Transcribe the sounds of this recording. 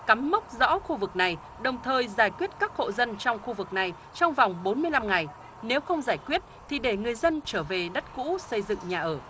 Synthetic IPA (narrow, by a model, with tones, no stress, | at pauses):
ka˨˦mːa˦˥wk͡p̚zɔ̰˧˥xu˧vɨ˨˩k̚na˨˩j | ɗə˨˩wŋ͡mt̪ʰəː˨˩jzaː˧˩jkwi˦˥ət̚kaː˦˥k̚ho̰˧˨zə˧nt͡ɕɔ˧wŋ͡mxu˧vɨ˨˩k̚na˨˩j | t͡ɕɔ˧wŋ͡mva˨˩wŋ͡mɓo˨˦nmɨ˧əjla˧mŋa˨˩j | ne˨˦wxə˧wŋ͡mzaː˧˩jkwi˦˥ət̚t̪ʰi˨˩ɗe˧˩ŋɨ˨˩əjzə˧nt͡ɕəː˧˩ve˨˩ɗə˦˥t̚kṵ˧˥sə˧jzɨ̰˧˨ŋɲaː˨˩ʔəː˧˩